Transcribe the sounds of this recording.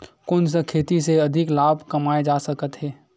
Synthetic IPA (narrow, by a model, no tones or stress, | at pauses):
kʊns̬əkʰeːt̪iseɐd̪ʱɪklaːbʱkɐmaːed͡ʒaːsəkət̪ɦɛː